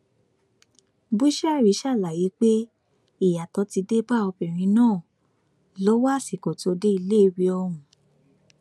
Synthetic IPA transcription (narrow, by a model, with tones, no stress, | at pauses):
bu˦ʃa˦˨ɾi˨˦ʃa˦˨la˨ji˨˦k͡pe˦ | i˦˨ja˨tɔ˨˧˦ti˧de˦ba˦˨ɔ˧bĩ˨ɾ̃ĩ˧˦nãː˦˨ | lo˨˦wa˦˨si˨ko˨to˧de˦i˧le˦i˧wi˧ɔ˧ɾ̃ũ˨